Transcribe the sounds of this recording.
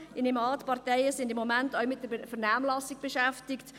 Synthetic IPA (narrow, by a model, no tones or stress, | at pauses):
ɪnemɑːtpɑʁtɛɪəsɪndɪmːomæntœʊmɪt̚d̥əfəʁnaːmlɑsɪɡ̚b̥eʃæftɪkt